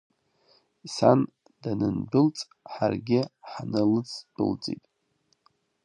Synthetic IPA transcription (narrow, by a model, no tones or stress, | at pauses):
isan | d̥anɨnbʊlt͡sʼ | ħarɡʲɪħanɨlɨt͡sʰbɨ̰ld͡zḭtʼ